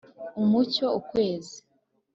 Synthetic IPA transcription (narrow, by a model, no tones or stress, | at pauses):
umuco̞ukwe̞ːzi